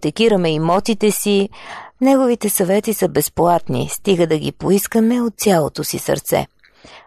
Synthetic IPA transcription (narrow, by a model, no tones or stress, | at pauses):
t̪ɛkiɾəmɛimɔt̪it̪ɛsinɛɡovit̪ɛsɐvɛt̪isəbɛsplˠat̪nḭst̪iɡəd̪ɐɡʲipoiskəmɛot̪̚sʲjalˠo̰t̪osḭsɐ̰ɾt̪sɛ̰